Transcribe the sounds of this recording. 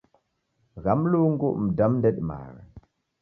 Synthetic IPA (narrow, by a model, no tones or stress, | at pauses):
ɣamluŋɡuʔm̩damndeɗma̰ɾa